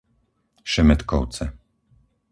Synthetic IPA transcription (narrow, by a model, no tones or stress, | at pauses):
ʃɛmɛt̪kɔw̪t͡sɛ